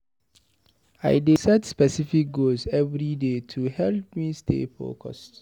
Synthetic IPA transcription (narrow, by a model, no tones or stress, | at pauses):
a̰ɪdisɛtspɛsifik̚ɡozɛvɹidetʰuhɛlp̚mistʰḛfo̰kʰɔ̰st